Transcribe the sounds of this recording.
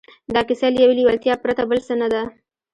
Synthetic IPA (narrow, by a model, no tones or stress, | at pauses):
d̪ɑkɪsaljeweliwalt̪jɑpɾat̪abəlsənad̪a